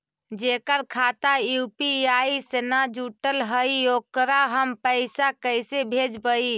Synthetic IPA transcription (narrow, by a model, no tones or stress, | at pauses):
d͡ʒekəɾkʰat̪ajupiaisenad͡ʒuʈəlɦəiokɾaɦəmpəɪsakəjsebʱed͡ʒbəi